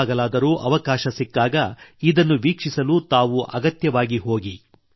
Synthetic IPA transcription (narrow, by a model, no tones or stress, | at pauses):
ɡɐlaːd̪ɐɾuːʔɐʋɐkaːʃɐsikːaːɡɐid̪ɐnːuʋiːkʂisɐluːt̪aːʋuʔɐɡɐt̪jɐʋaːɡiɦo̞ːɡi